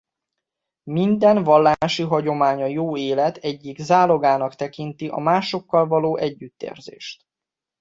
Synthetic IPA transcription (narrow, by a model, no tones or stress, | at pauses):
mind̪ɛnvɒlːaʃiɦɒɟo̞maːɲɒjoːeːlɛt̪ɛɟːiɡzaːlo̞ɡaːnɒkt̪ɛkint̪iʔɒ̰maːʃo̞kːɒlvɒloːʔɛɟːyt̪ːḛːrzḛːʃt̪